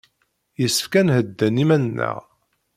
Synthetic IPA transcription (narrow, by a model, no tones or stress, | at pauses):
jəsːəfkænhəd̪ːænimænənːə̰ʁ